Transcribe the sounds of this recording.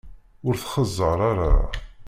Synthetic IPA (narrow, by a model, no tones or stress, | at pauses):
ʊɾθχəzˤːəɾˤaɾa̰